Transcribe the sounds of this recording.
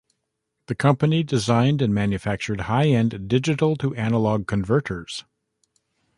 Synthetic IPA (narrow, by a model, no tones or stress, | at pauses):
ðɨkʰʌ̃mpɨnidɨzãɪ̃ndɨ̃nmæ̃njɨfæk̚t͡ʃə˞d̚haɪɛ̃ndɪd͡ʒɨɾl̩ˠtʰəʔænəlɔɡ̚kʰɨ̃ɱvɜ˞ɾə˞z̥